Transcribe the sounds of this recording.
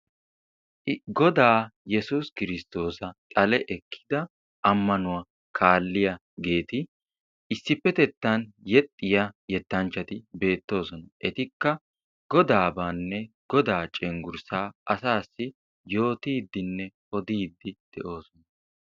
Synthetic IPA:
ɡɔd̪aːjɛsuskɪɾɪst̪o̞ːsɐt̪ʼɐlɛʔɛkʰːɪ̥d̪ɐ | ɐmːɐnʊwɐ | kʰaːlːɪjɐ | ɡe̞ːt̪ɪ | ʔɪsːɪpːɛt̪ɛt̪ːɐnjɛt̪ʼːɪjɐjɛt̪ːɐnt͡ʃːɐt̪ɪbe̞ːt̪ːo̞ːsɔnɐʔɛt̪ɪkːɐ | ɡ̥ɔd̪aːbaːnːɛ | ɡ̥ɔd̪aːt͡ʃʼɛŋɡʊɾsaːɐsaːsːɪ | jo̞ːt̪iːd̪ːɪnːɛ | ɔd̪iːd̪ːɪd̪̥ɛʔo̞ːsɔnɐ

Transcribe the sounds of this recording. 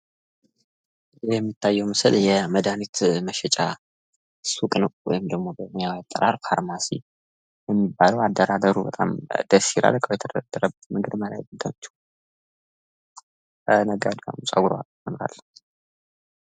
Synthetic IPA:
jɛmːit̪ʰːajːɛwmɨsɨljɛməd̪anit̪məʃɛt͡ʃʼa | sukʼɨnɨwwɔ̰jɪmd̪əɡmo̞bəmɨjawat̪ʼːəɾaɾfaɾmasḭ | jɛmːibːaləwad̪ːəɾad̪əɾubət̪ʼa̰md̪̥əsiɾʔa̰ləkʼəwjɛt̪ʰəd̪əd̪ad̪ːəɾəbːət̪mɨŋɡɨd̪məla̰jbɨnt̪ʰənt͡ʃʰːu̥ | nəɡad̪wa̰musʼaɡuɾa̰mɨnɾa̰lː

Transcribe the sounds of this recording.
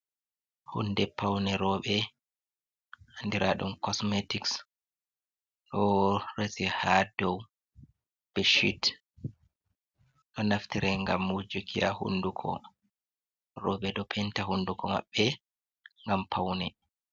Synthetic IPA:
hṵndɛpʰawnɛɾɔɓɛ | ʔandiɾʔaɗumkɔsmetiks | ɗɔresihadɔw | b̥ɛʃḭt | ɗɔnaftiɾɛŋɡamːud͡ʒukʰijahṵndukʰɔ̰ | ɾɔːɓɛɗɔpʰɛntahundukɔma̰ɓːɛ | ŋɡampʰawnɛ

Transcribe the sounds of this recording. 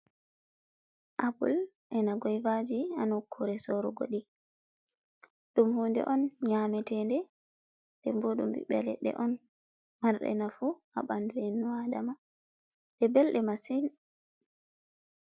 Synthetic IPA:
ʔabṵl | ʔɛnaɡɔjvad͡ʒianukʰːɔɾɛsɔɾuɡo̰ɗi | ɗumhuːndɛ̰ʔɔnɲamɛtɛndɛ | ndɛmboɗṵmbḭɓɛ̰lɛ̰ɗɛ̰ʔɔn | maɾɗɛ̰nafu | a̰ɓanduwɛnuadama | dɛbɛlɗɛmasin

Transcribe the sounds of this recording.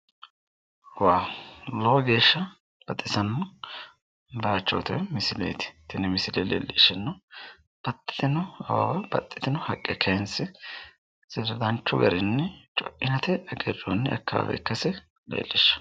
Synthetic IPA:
waːloɡe̞ːʃːɐ | b̥ɐt̪ʼːɪsɐnːɔ | baːt͡ʃːoːt̪ɔjmɪsɪlḛːt̪ɪ̥t̪ɪnɛmɪsɪleleːlːɪʃːɛnːɔ | b̥ɐt̪ʼːɪ̥d̪ɪnɔɐwa̰wɐb̥ɐ̰t̪ʼːɪd̪ɪnɔhɐkʼːɛkʰɐnsɪ | z̥ɪɾd̪ɐnt͡ʃːʊɡɐ̰ɾɪnːɛt͡ʃʼɔ̰ʔɪnɐt̪ɛɐɡɛdonːɛʔɐ̰kːa̰ːwɛ̰kːɐsɛ | lḛːlːɪʃːɐ̥

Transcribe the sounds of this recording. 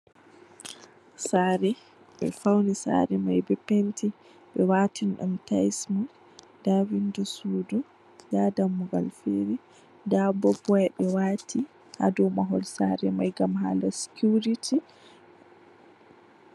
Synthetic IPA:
saɾɛ | ɓɛ̰fawnisa̰ɾɛmajbɛpentʰi | ɓɛwaːtʰinɗṵmtajsmu | dawindusuːdu | jadamːuɡa̰lfeɾi | dabɔbɔjɛɓɛwaːtʰi | ha̰dɔwmaɦɔlsaɾɛmajɡamɦa̰ːlasi̥kuɾitʰi

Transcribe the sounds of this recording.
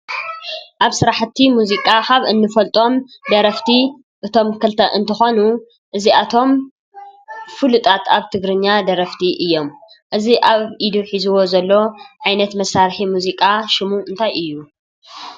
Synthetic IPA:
ʔaβsɨɾaħt̪ʰːimuzikʼakaβɨnːɨfɐlt̪ʼo̞md̪ɐɾɐft̪ʰi | ʔɨt̪ʰo̞mkʰɨlt̪ʰɐʔɨnt̪ʰɨxonu | ʔɨziʔat̪ʰo̞m | fɨlut̪ʼat̪ʰaβt̪ʰɨɡɾɨɲːad̪ɐɾɐft̪ʰiʔɨjːo̞m | ʔɨziʔaβʔid̪uħizuwo̞zɐlːoʕajnɐt̪mɐsːaɾħimuzikʼaʃɪmuʔɨnt̪ʰajɨjːu

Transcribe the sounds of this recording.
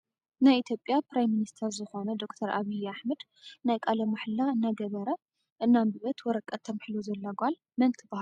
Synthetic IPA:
najit̪ʰjo̞pʼːjapɾajmːinist̪ʰɐɾzɨxo̞nɐd̪o̞kt̪ʰɐɾaβijaħmɐd̪ | najkʼalɐmaħlːaɨnːaɡɐβɐɾɐ | ʔɨnːambɨβɐt̪wɔɾɐkʼːɐt̪ʰːɐmħluzɐlːɐɡʷal | mɐnt̪ʰɨbahl

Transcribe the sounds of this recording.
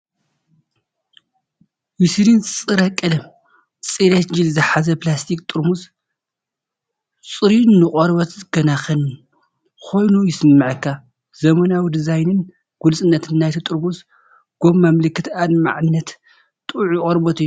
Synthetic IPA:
wisɾint͡sʼɨɾɐkʼːɐlɐ | t͡sʼilet̪d͡ʒilzɨħazɐplast̪ʰikʼt̪ʼɨɾmus | t͡sʼɨɾinːɨqʼɔɾbɐt̪zɨɡɐnaxɐn | kʰo̞jnujɪsɨmːɨʕɨkʰːa | zɐmɐnawid̪izajnɨn | ɡ̥ulsʼɨnːɐt̪ʰɨnːajt̪ʰit̪ʼɨɾmus | ɡ̥ommamlɨkːɨt̪ad̪ma̰ʕɨnːɐt̪ | t̪ʼuʕjkʼɔɾbɐt̪ijːu

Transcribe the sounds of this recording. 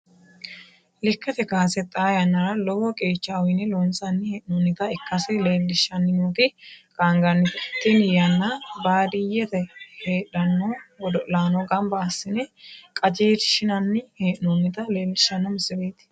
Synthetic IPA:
lɪkːɐt̪ɛkaːsɛt̪ʼːaːjɐnːɐɾɐlɔwɔkʼeːt͡ʃːawɪnɪlɔnt͡sʼɐnːɪheːʔnonːɪt̪ɐɪkːɐsɛleːlːɪʃːɐnːɪnuːk̪ɪkʼaŋɡɐnːɪt̪ɪt̪ːɪnjɐnːɐbaːd̪ɪjɛt̪ɛheːᶑɐnːowɔd̪ɔʔlaːnɔɡɐmbɐːsːɪnɛkʼɐd͡ʒeːt̪ʃɪnɐnːɪheːʔnonːɪt̪ɐle̞ːlːɪʃːɐnːɔmɪsːɪbeːt̪ɪ̥

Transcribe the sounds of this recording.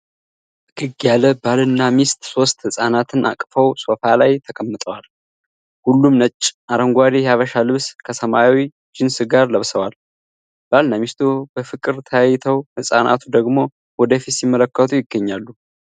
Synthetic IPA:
ɡ̥ɨɡjaləbalɨnːamist̪ʼso̞st̪hɨsʼanat̪ʰɨnʔa̰kʼfəwso̞falajt̪ʰəkʼəmːɨt̪ʼəwal | hulːumnət͡ʃʼːaɾəŋɡʷaɾijhaβəʃalɨβskʰəsəmaawi | d͡ʒɪnsɨɡaɾləβsəwal | b̥alnamist̪ʰubəfɨkʼɨɾt̪ʰəjajːɪt̪ʰəwhɨsʼa̰nʔa̰t̪ʰud̪əɡmo̞ | wɔd̪əfit̪simːələkːət̪ʰujɪɡːəɲːalːu

